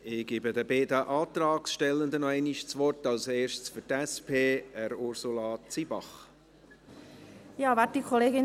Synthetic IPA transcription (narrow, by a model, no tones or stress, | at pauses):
ɪɡ̥iːbəd̪əbeːd̪əʔɑːt̪rɑːksʃtɛlənd̪ənɔɛɪniʃt͡sʋɔrtɑlseːɾʃt͡sfʏɾtɛspʰeːɛɾʊrsulɑːt͡sibɑχ | jɑːvatikʰoleːɡɪn